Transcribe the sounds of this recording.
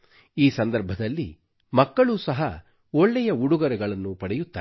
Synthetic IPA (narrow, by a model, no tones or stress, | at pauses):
iːsɐnd̪ɐɾbʱɐd̪ɐlːḭ | mɐkːɐɭusɐɦɐ | ɔɭːɛjɐuɽuɡɐɾɛɡɐɭɐnːupɐɽɛjut̪ːaː